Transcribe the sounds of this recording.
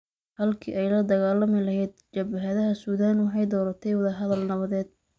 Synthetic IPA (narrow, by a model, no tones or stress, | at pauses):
hɐlkʰḭːʔɛjlɐd̪ɐɣaːlɐmɪlɐɦɛjd̪t͡ʃɐbɐɦɐðɐɦɐsuːðaːnwɑħɑjd̪ɔːɾɐt̪ʰɛjwɐðɐɦɐðɐlnɐβɐðɛːd̪̚